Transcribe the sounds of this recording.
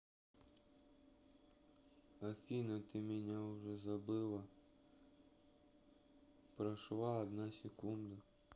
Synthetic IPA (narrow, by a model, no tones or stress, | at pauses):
ɐfʲinɐt̪ɪmʲɪnʲaʊʒɛzɐbɪlˠɐ | pɾɐʃlˠɑɐd̪nɑsʲekund̪ɐ